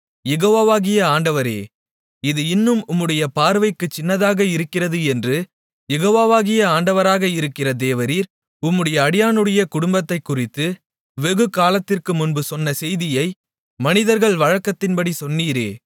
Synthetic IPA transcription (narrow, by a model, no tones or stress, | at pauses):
jɛɣoːʋaːʋaːɣɪjɐaːɳɖɐʋɐɾḛː | ɪðɯɪnːɯmʊmːɯɽɐjɐpaːɾʋɐɪkːɯt͡ʃːɪnːɐðaːɣɐɪɾɯkːɪrɐðɯɛndrɯ | jɛɣoːʋaːʋaːɣɪjɐaːɳɖɐʋɐɾaːɣɐɪɾɯkːɪrɐd̪eːʋɐɾiːɾ | ʊmːɯɽɐjɐːɽɪjaːnɯɽɐjɐkʊɽʊmbɐt̪ːɐɪkːʊrɪt̪ːɯ | ʋɛɣɯkːaːlɐt̪ːɪrkɯmʊnbɯsɔnːɐsɛjðɪjɐɪ | mɐnɪðɐɾɣɐɭʋɐɻɐkːɐt̪ːɪnpɐɽisɔnːiːɾḛː